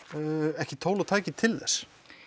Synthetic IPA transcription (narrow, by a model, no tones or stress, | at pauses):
ɛhcɪt̪ʰoːwlawt̪ʰaːɛcɪt̪ʰɪlðɛ̰s